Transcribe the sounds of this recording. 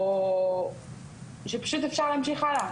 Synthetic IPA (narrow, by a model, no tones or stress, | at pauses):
ʃepḁʃut̪efʃaʁlæamʃiχala